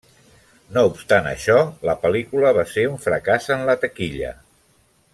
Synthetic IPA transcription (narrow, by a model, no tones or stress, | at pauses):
noupst̪anə̰ʃɔləpəlikuləβ̞aseuɱfɾəkazənlət̪əkiʎə̰